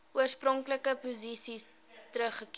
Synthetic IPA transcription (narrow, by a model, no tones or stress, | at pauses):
uərsprɔŋkləkəpuzisis | təɾəχəki